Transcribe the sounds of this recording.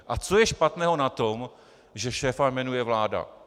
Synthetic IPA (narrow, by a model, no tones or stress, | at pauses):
ʔat͡so̞jɛʃpat̪nɛːɦo̞nat̪om | ʒɛʃɛːfajmɛnujɛvlaːda̰